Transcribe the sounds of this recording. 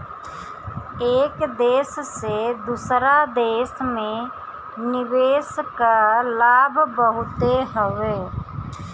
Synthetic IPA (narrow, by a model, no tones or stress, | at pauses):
eːkd̪eːssed̪uːsɾad̪eːsmẽ | nɪʋeːskalaːbʱbəɦʊt̪eɦəʋeː